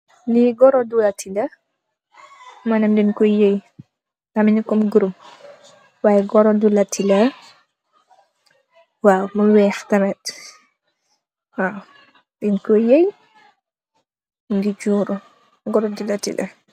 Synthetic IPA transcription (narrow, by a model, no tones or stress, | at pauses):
liɡɔɾɔdulɐtʰilɐ | mɐnɛmdinkɔjej | tamiɲikɔmɡuɾum | waːjɛɡɔɾɔdulɐtːilɐ | wawmuwɛːxtɐmɛt | waw | dinkɔjej | ŋɡid͡ʒuːɾu | ɡɔɾɔdulɐtḭlʔɐ̰